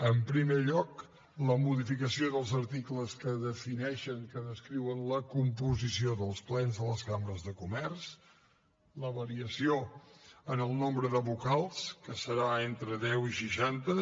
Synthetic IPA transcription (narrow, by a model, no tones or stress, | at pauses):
əmpɾimeʎɔk | ləmuðifikəsioðəlˠzəɾt̪ikləskəðəfinɛʃəŋkəðəskɾiwənləkump̬uzisioðəlˠsplɛnzðələzkambɾəzðəkumɛrs | ləβəɾiəsioənəlˠnombɾəðəβukalˠskəsəɾaent̪ɾəðɛwiʃiʃant̪ə